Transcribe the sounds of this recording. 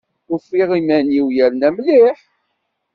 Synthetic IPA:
ʊfːiʁimænjiwjæɾnæmliħ

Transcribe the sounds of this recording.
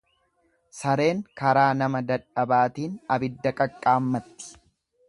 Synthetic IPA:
sɐɾe̞ːŋkɐɾaːnɐmɐd̪ɐᶑɐbaːt̪iːnɐbɪd̪ːɐkʼɐkʼːaːmːɐt̪ːɪ̥

